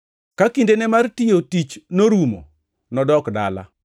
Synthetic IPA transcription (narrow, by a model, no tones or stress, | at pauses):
kakindenɛmartijotit͡ʃnoɾumo̰ | nɔdɔkda̰la̰